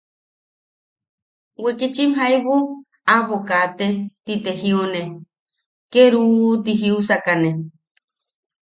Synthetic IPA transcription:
wekit͡ʃimɦajβu | aβokat̪et̪it̪ehione | keɾuːt̪iɦiusakane

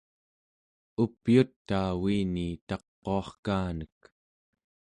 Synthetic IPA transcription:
upjut̪ːaːwiːnit̪ɑqːoɑχkaːnək̚

